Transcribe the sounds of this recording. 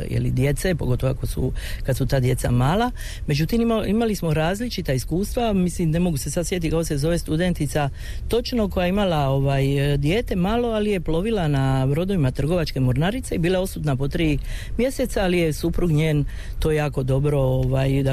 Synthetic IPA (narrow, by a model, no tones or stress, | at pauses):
jḛlḭd̪je̞t̪se̞po̞ɡo̞t̪o̞ʋoa̰kosṵkat̪sut̪aːd̪je̞t̪samaːla | me̞d͡ʒut̪imiimalismo̞ɾaːzlit͡ʃit̪aiskuːst̪ʋamislimne̞mo̞ɡuse̞sad̪sje̞t̪ikakose̞zo̞ʋe̞st̪ud̪e̞nt̪it̪sa | t̪o̞t͡ʃno̞ko̞jaeimalao̞ʋaːjd̪je̞ːt̪e̞maːlo̞alije̞plo̞ʋilanabɾo̞d̪o̞ʋimat̪r̩ɡo̞ʋat͡ʃke̞moɾnaɾit̪seibiːlˠao̞sut̪napo̞t̪ɾiːmje̞se̞t̪saalije̞supɾuɡɲeːn | t̪oːjejaːko̞d̪o̞bɾo̞oʋajd̪a